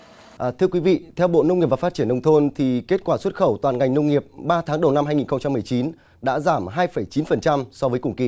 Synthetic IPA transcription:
ʔt̪ʰɨ˧əkwi˨˦vḭ˧˨t̪ʰɛ˧wɓo̰˧˨nə˧wŋ͡mi˨˩p̚va˨˩fa˦˥t̚t͡ɕi˧˩ənːə˧wŋ͡mt̪ʰo˧nt̪ʰi˨˩ke˦˥t̚kwaː˧˩swə˦˥t̚xə˧˩wt̪waː˨˩nŋa˨˩jŋ̟nə˧wŋ͡mŋi˨˩əp̚ɓaː˧t̪ʰaː˨˦ŋɗə˨˩wna˧mhaː˧jŋi˨˩nxə˧ŋ͡mt͡ɕa˧mːɨ˨˩əjt͡ɕi˨˦n | ɗa̰ː˧˥zaː˧˩mɦaː˧jfə˧˩jt͡ɕi˨˦nfə˨˩nt͡ɕa˧msɔ˧vəː˨˦jkʊ˨˩ŋki˧˩

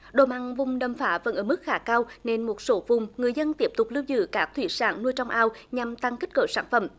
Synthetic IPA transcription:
ɗo̰˨˩ma˨˩ŋvʊ˨˩ŋ͡mɗə˨˩mfaː˨˦və̰˧˥nʔəː˧˩mɨ˦˥k̚xaː˨˦kaː˧wne˧nmo˨˩t̚so˨˦vʊ˨˩ŋ͡mŋɨ˨˩əjzə˧nt̪i˦˥əp̚t̪ʊ˨˩k͡p̚lɨ˧wzɨ̰˧˨kaː˦˥k̚t̪ʰwḭ˧˩saː˧˩˦nnu˧jt͡ɕɔ˧wŋ͡mʔaː˧wɲa˨˩mt̪a˧ŋki̟˦˥kə̰ː˨˩saː˧˩nfə̰˧˩m

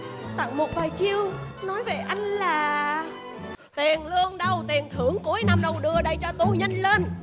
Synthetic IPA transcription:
t̪a̰˧˨ŋmo˨˩t̚vaː˨˩jt͡ɕi˧əwnɔ˨˦jve˨˩ʔa˧jŋ̟laː˨˩ | t̪i˨˩ənlɨ˧əŋɗə˨˩wt̪i˨˩ənt̪ʰɨ˧˩əŋku˨˦əjna˧mɗə˨˩wɗɨ˨˩əɗə˧jt͡ɕɔ˧t̪u˧˩ɲə˧jŋ̟le˧n

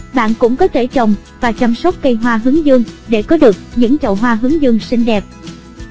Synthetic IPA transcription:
ɓa̰ː˧˨nkʊ̰˧˥ŋ͡mkɔ˨˦t̪ʰe˧˩t͡ɕə˨˩wŋ͡m | vaː˨˩t͡ɕa˧msə˦˥wk͡p̚kə˧jɦwaː˧ɦɨ˨˦əŋzɨ˧əŋɗe˧˩kɔ˨˦ɗɨ˨˩ək̚ɲɨ̰˧˥ŋt͡ɕə̰˧˨wɦwaː˧ɦɨ˨˦əŋzɨ˧əŋsï˧ŋ̟ɗɛ˨˩p̚

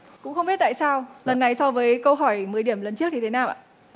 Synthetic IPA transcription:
kʊ̰˧˥ŋ͡mxə˧wŋ͡mɓi˦˥t̪̚a̰ː˧˨jsaː˧wlə˨˩nːa˨˩jsɔ˧wvəː˨˦jkə˧wɦɔ˧˩jmɨː˨˦jɗi˧˩əmlə˨˩nt͡ɕɨ˦˥ək̚ɲi˧t̪e˨˦naː˨˩wʔa̰ː˧˨

